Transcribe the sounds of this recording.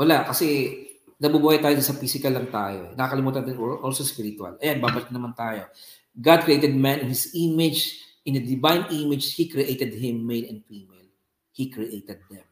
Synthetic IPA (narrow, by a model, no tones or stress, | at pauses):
wɐlaʔkɐsɛ | nɐbubuːhajt̪aːjosɐfiːsɪkɐlːɐŋt̪a̰ːjo̰ʔɛ̰nɐkɐkɐlɪmuːt̪ɐnd̪ɪnoʔolsospiɾt̪wɐ̰lʔɐjan̚baːbɐlk̪nɐmant̪aːjo̞ | ɡad̪̚kɹɪʔejt̪ɛd̪̚mãnɪ̃nhɪsimɪd͡ʒʔɪ̃nd̪ɐd̪ɪvãjnʔimɪd͡ʒhikɹiʔejt̪ɛd̪̚ɦɪ̃mːejlɐnd̪fiːmɛl | hikɹiʔejt̪ɛd̪̚ːɛm